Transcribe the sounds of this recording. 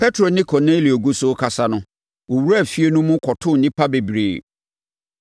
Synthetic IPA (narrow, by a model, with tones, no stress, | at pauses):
pʰɛ˦tʰɾo˨nɪ̃˦kʰɔ˨ne˦li˨o˨ɡu˦sʊ˦kʰa˨sa˦nʊ̃˦ | wo˨wu˦ɾa˦˨fi˦e˦nũ˦mʊ̃˦kʰɔ˨tʰʊ̃˦˨nĩ˦pʰa˦be˨bɾeː˨